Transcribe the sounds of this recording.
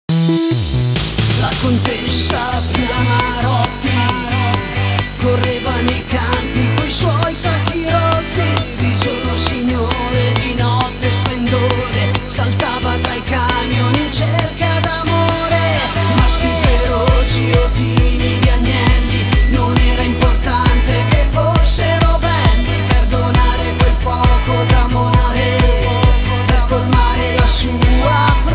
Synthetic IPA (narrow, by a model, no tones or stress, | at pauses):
lakont̪esːafɾiamaɾɔt̪ːima | korːeːvanejkampikojswɔjt̪ɾakːiɾɔt̪ːid̪id͡ʒornosiɲːoɾed̪inɔt̪ːesplend̪oɾesalt̪aːvat̪ɾajkamjonint͡ʃerkad̪amoɾemaskiveɾot͡ʃiot̪inid̪iaɲːjɛnt̪inonɛːɾaimport̪ant̪ekefosːeɾobɛnːiperd̪onaːɾekwelkwɔrpod̪amoːɾe | d̪aformaːɾelasuap